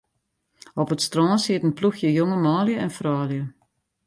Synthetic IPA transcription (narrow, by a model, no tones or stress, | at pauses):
ɔpətstrɑːnsɪtənpluxjəjoŋəmaːljəɛnfraːljə